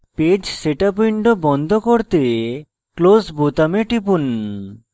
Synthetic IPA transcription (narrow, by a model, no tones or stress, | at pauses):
ped͡ʑseʈapjɳʈobɔnd̪ʱokoɾt̪e | klosbot̪ameʈipun